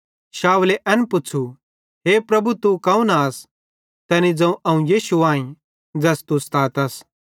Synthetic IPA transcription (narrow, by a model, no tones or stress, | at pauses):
ʃaːwleʔɐ̃npʊːt͡ʃʰu | ɦeːpɾɐbut̪ukɐ̃ũnaːs | t̪ɛːnid͡zɐ̃ũʔɐũjiːʃuãːĩ | d͡zɛst̪ust̪ʰaːt̪ɐs